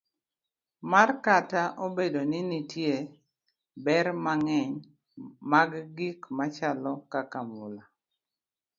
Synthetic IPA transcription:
markataʔobedoninitje | bɛɾmaŋɛɲ | maɡɡikmat͡ʃalɔkakamula

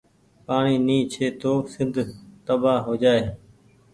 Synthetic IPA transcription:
paːɳiːniːt͡ʃʰeːt̪oːsɪnd̪ʱt̪əbaːɦoːd͡ʒaːeː

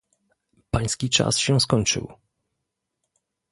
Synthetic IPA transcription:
paj̃skʲit͡ʂa̰sɕɛskɔɲt͡ʂɘ̰w

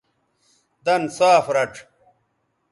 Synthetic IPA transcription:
d̪ɐnsaːfɾɐʈ͡ʂʰ

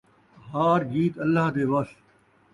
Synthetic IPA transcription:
ɦaːɾɡiːt̪əlːaɦd̪eːʋɐst̪

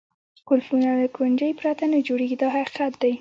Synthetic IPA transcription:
kʊlfunalakʊnd͡ʒəjpɾat̪anad͡ʒoɽeɡid̪ɑhaqi̥qat̪̚d̪aj

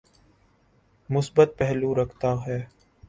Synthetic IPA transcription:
mʊsbət̪̚pɛɦluɾɐkʰt̪aɦɛː

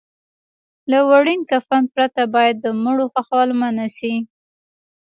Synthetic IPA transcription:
lawaɽinkafan̚pɾat̪abɑjad̪ːəmʊɽoxaxwalmanasi

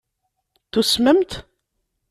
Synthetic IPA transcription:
θusməmt̪

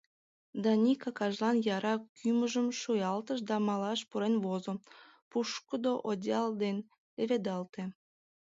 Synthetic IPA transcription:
d̪ɑnʲikɑkɑʒlɑnjɑɾɑkʰyməʒəmʃujɑlt̪əʃ̬d̪ɑmɑlɑʃpuɾenvozo | puʃkəd̪oʔodʲɑld̪en | leβed̪ɑlt̪e

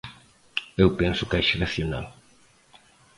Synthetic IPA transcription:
ewpɛnsʊkɛʃeɾaθjona̰l

